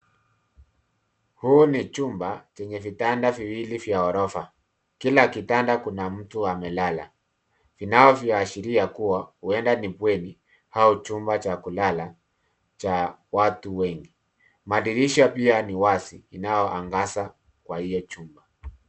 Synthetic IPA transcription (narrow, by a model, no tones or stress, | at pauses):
huːnit͡ʃumbat͡ʃɛɲɛvitandaviwilivjaɔɾɔfa | kilakitandakunam̩tuamɛlala̰ | vinaɔvjaːʃiɾiakuwahuɛndanipwɛni | haut͡ʃumbat͡ʃakulala | t͡ʃa | watuwɛŋɡi | maɗiɾiʃapianiwasiːnajɔʔaŋɡasa | kwahijɔt͡ʃumba